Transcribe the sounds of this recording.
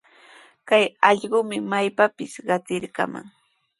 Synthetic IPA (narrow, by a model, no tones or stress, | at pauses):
kajɑʎɢʊmɪmajpapɪsɢɑt͡sɪɾka̰ma̰ŋ